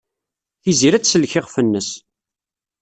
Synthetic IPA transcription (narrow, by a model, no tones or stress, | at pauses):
θiziɾæt͡sːsəlçɪʁfənːəs